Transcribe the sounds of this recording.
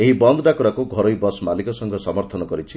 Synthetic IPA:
eɦibɔnd̪ɖakuɾakuɡʱɔɾojbɔsmalikɔsɔŋɡʱɔsɔmɔɾt̪ʰɔnɔkɔɾit͡ʃʰi

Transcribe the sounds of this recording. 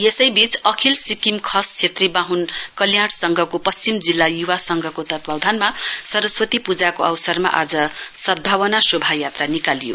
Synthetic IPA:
jesʌjbit͡sʌkʰilsikimkʰʌst͡sʰet̪ribaɦunkʌljaɽsʌŋɡʱʌkopʌst͡simd͡zilːajuwasʌŋɡʱʌkot̪ʌt̪bʱawd̪ʱanmasʌɾʌswʌt̪ipud͡zakoʔʌwsʌrma̰ʔad͡zʌsʌd̪̚bʱawʌnasobʱajat̪ranikalijo̰

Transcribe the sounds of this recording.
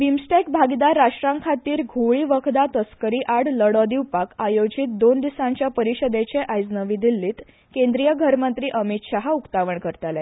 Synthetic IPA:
ʋimsʈekbʱaɡid̪aɾːaʂʈɾaŋkʰat̪iːɾɡʱuɭiːʋəkʰd̪at̪əskəɾiːʔaɽləɽɔd̪iwpakajod͡ʑit̪̚d̪ond̪isãɲt͡ɕjapəɾiɕəd̪et͡ɕeʔajd͡znəʋid̪ilːiːt̪ | kend̪ɾijəɡʱəɾmənt̪ɾiːʔəmit̪ɕaɦaukt̪aʋəɳkəɾt̪ale

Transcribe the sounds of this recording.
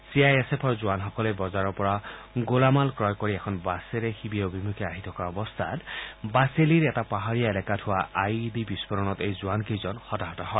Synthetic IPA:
siajesepʰɔɹzuwanxɔkɔlebɔzaɹɔɹpɔɹa | ɡolamalkɹɔjkɔɹiɛkʰɔnbaseɾexibiobimukʰiaɦit̪ʰɔkaɔbɔst̪ʰatbaseliɹɛtapaɦaɹijaelakatʰʊwaʔajdibispɔɾɔnɔtejzuankizɔnxɔtaɦɔtɔɦɔj

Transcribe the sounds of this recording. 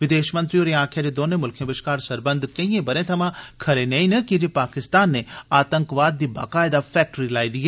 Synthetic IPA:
ʋɪd̪eːʃmə̃nt̪ɾioːɾeãːkʰjad͡ʒeːd̪oːnẽmʊlkʰjẽbɪʃkaːɾsɐɾbənd̪kɐĩẽbɐɾẽt̪ʰɐmãkʰɐɾeneĩnəkid͡ʒepaːkɪst̪aːnːeaːt̪ə̃ŋkʋaːd̪ːiːba̰ːkaːɪd̪apʰɛːk̚ʈəɾilaːid̪iɦɛː

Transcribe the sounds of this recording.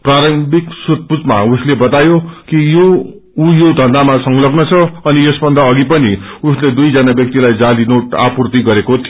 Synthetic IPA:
praɾʌmbʱiksut̪̚pud͡zma̰uslebʌt̪ajokijo | ujod̪ʱʌnd̪amasʌŋlʌɡnʌt͡sʰʌʌnijesbʱʌnd̪ʱʌʌɡipʌniusled̪ujd͡zʌnabjʌk̚t̪ilajd͡zalinoʈapurt̪iɡʌɾekot̪ʰijo

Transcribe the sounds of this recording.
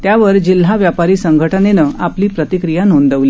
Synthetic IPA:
t̪jaʋəɾd͡ʑil̤ːaʋjapaɾiːsəŋɡʱəʈʰənenəapliːpɾət̪ikɾijanond̪əʋliː

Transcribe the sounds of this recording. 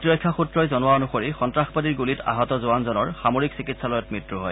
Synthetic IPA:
tiɹɔjkʰːaxutɹɔjzɔnʊwaonuxoɹixɔntɹaxpadiɹɡulita̰ɦɔtɔzʊanzɔnɔɹxamoɹiksikitsalɔjɔt̚mɹitɹuɦɔj

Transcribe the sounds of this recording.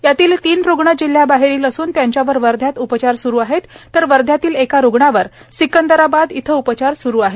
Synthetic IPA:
jat̪iːlt̪iːnɾoɡɳəd͡ʑil̤ːjabaɦeɾiːləsuːnt̪jaɲt͡ɕjaʋəɾʋəɾd̪ʱjat̪upət͡ɕaɾsuɾuːaɦet̪ːəɾʋəɾd̪ʱjat̪iːlekaɾoɡɳaʋəɾ | sikənd̪əɾabad̪it̪ʰəupət͡ɕaɾsuɾuːaɦe

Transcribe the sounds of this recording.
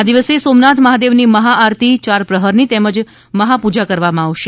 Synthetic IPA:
ad̪iʋəsesomnat̪ʰməɦad̪eʋniməɦaaɾt̪ʰit͡ʃaɾpɾəɦəɾnit̪ɛməd͡ʒ | məɦapud͡ʒakəɾʋamãaʋʃe

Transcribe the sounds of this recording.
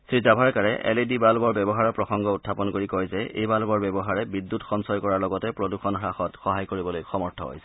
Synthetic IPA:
sɹizabʱaɹkaɹɛ̰ʔḛlidibalbɔɹbɛbɔɦaɹɔpɹɔxɔŋɡɔutʰːapɔnkoɹikɔjzɛḛjbalbɔɹbɛbɔɦaɹɛbidːutxɔmsɔjkɔɹaɹlɔɡɔtɛpɹoduxɔnxɹaxɔtxɔɦajkoɹibɔlojxɔmɔɹtʰɔ̰ɦo̰jsɛ̥

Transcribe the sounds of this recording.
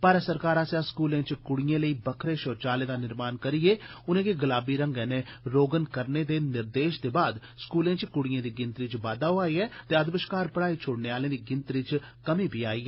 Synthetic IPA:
paːɾəsəɾkaːɾaːsjãːskuːlẽːt͡ʃkʊɽɪjãːləiːbəkʰɾeːʃɔːt͡ʃaːlẽːd̪aːnɪɾmaːnkəɾieːʊnẽːkeɡəlaːbiːɾə̃ŋɡɛːnẽːɾoːɡənkəɾneːd̪eːnɪɾd̪eːʃd̪eːbaːd̪ | skuːlẽːt͡ʃkʊɽɪjãːd̪iːɡɪ̃nt̪ɾɪt͡ʃʋaːd̪aːoaːiːɛːt̪eːəd̪bəʃkaːɾpəɽaːiːt͡ʃʰoːɽneːaːlẽːd̪iːɡɪnt̪ɾɪt͡ʃ | kəmiːbiːaːiːɛ

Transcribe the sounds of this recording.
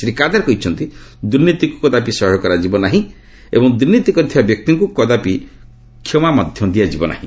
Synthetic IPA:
sɾikad̪aɾekɔɦit͡ʃʰɔnt̪id̪uɾnit̪ikukɔd̪apisɔɦɔkɔɾad͡ʒibɔnaɦĩ | ḛbɔŋd̪uɾnit̪ikɔɾit̪ʰibabjɔk̚t̪iŋkukɔd̪api | kʰːɔmamɔd̪ʱjɔd̪iad͡ʒibɔna̰ɦḭ̃

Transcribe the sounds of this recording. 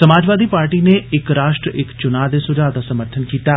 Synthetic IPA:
səmaːd͡ʒʋaːd̪iːpaːɾʈiːneɪkɾaːʃʈɾəʔɪkt͡ʃʊnaːd̪esʊd͡ʒaːd̪asəməɾt̪ʰənkiːt̪aː

